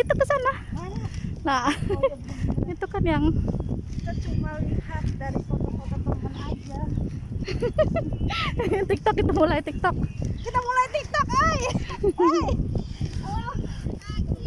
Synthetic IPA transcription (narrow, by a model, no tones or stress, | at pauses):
it̪ukəsana | la | it̪ukanjaŋit̪at͡ʃumalihat̪̚daɾipɔt̪ɔpɔt̪ɔpɔkɔnad͡ʒa | t̪ik̚t̪ɔkːit̪amulajt̪ik̚t̪ɔk̚kit̪amulajt̪ik̚t̪ɔka